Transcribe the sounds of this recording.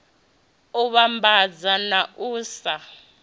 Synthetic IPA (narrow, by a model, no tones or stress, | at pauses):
uβambʱad͡zanaʔuːsa